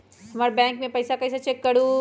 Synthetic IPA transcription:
hɐmaːɾebɛ̃ːŋkmẽpɐjsakɐjs̬at͡ʃekːəɽũ

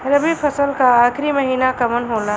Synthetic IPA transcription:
ɾəbipʰəsəlkaaːkʰɾiməɦiːnakəmənɦoːla

